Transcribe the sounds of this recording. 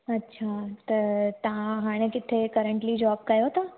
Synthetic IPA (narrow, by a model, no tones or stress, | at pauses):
ɐtːɕʰat̪ɐt̪ɐʋãɦaːɽ̃ẽkɪt̪ʰekəɾəɳʈlid͡ʑɔːb̚kɐjot̪a